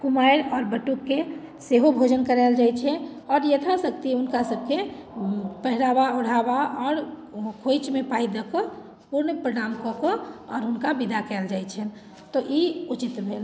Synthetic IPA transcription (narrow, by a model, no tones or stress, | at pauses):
kumajɾɔːɾbəʈukːe | seɦobʱod͡ʒənkəɾaɪld͡ʒat͡ʃʰɛɔːɾjət̪ʰasək̚t̪iunkasəb̚ʱke | pəɦɾabauɽ̤abaɔːɾkʰojt͡ʃmepaid̪əkɔ | puɾnəpɾonamkɔkɔɔːɾɦunkabid̪ʱakɛːld͡ʒajt͡ʃʰɛn | t̪ɔʔiut͡ʃit̪bʱel